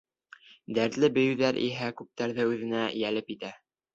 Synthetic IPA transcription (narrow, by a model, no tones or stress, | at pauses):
d̪æɾt̪lɘbɘ̆jɵ̆wðæɾʔḭɦækʉp̚t̪æɾðɘʉðɘ̆næjælɘpit̪æ